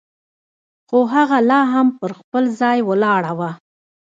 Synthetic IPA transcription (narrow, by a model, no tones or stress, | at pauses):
xoɦaɣalɑɦampəɾxpəlzɑjwəlɑɽawa